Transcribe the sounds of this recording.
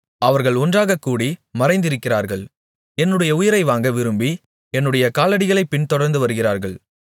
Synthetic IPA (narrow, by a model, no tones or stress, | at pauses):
ɐʋɐɾɣɐɭɔndraːɣɐkːuːɽimɐɾɐɪnd̪ɪɾɯkːɪraːɾɣɐɭ | ɛnːɯɽɐjɐʊjɪɾɐɪʋaːŋɡɐʋɪɾɯmbi | ɛnːɯɽɐjɐkaːlɐɽɪɣɐɭɐɪpːɪɳt̪ɔɽɐɾnd̪ɯʋɐɾɯɣɪraːɾɣɐɭ